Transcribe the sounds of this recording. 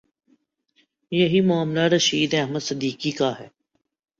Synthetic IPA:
jɐɦimʊaːmlaɾɐʃiːd̪ɛɛɦməd̪səd̪iːkikaɦɛː

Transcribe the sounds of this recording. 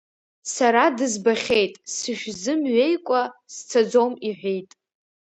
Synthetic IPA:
saɾadɨzbaχʲe̞jtʼsɨʃᶣzɨmɥejkʷʼast͡sʰad͡zomiħᶣʷejtʼ

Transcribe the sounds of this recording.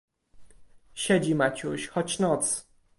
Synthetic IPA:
ɕɛd͡ʑimat͡ɕuɕxɔt͡ɕnɔt̪s

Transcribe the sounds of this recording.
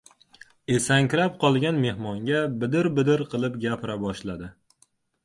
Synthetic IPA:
e̞saŋkʲɾap̚qʰɒlˠɡʲanme̞hmɒŋɡʲabɪd̪ɪɾbɪd̪ɪɾqʰɨlˠɪpɡʲapʰɪɾabɒʃlad̪ɪ

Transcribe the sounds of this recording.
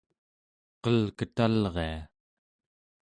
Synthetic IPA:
qʌlkət̪alʁea

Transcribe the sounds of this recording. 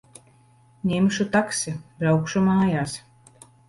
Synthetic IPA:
nʲemʃut̪aksʲibɾawkʃumaːjaːs

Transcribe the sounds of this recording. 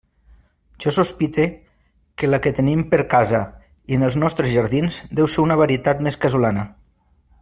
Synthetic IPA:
ʒ̥ɔsuspit̪e | kelaket̪enimpəɾkaza | iənəlˠznɔst̪ɾezʒəɾðinzd̪ɛwseɾunəβaɾiet̪at̪meskazulanə

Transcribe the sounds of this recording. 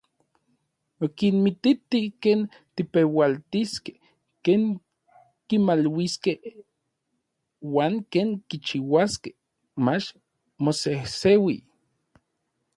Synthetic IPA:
okinmit̪it̪ikeːn | t̪ipewalt̪iske̥h | keːŋ | kimalwiskeh | waːŋkeːŋkit͡ʃiwaske̥h | mat͡ʃ | mosehsewḭ

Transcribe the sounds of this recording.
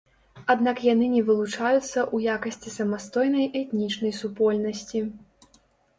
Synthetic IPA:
ad̪nakjanɨnʲɛvɨlˠut͡ʂajut̪sːɐʔujakɐsʲt͡sʲisɐmast̪ɔjnɐjʔɛt̪nʲit͡ʂnɐjsupɔlʲnɐsʲt͡sʲi

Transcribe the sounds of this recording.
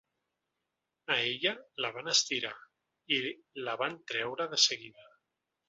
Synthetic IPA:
əeʎələβ̞anəst̪iɾa | iləβant̪ɾɛwɾəðəsəɣiðə

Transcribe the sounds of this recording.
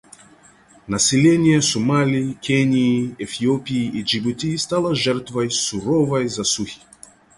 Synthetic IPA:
nasʲɛlʲɛnʲijɛsumalʲiikʲɛnʲiiɛfiɔpiiʔid͡ʒibut̪ʲist̪alˠaʒɛɾt̪vajsuɾɔvajzasuxi̥

